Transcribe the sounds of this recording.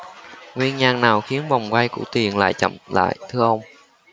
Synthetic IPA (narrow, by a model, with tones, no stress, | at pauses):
ŋwi˧ənɲaː˧ŋnaː˨˩wxi˨˦ənva˨˩wŋ͡mkwa˧jkṵ˧˩˥t̪i˨˩ənla̰ː˧˨jt͡ɕə̰˧˨mla̰ː˧˨jt̪ʰɨ˧əʔə˧wŋ͡m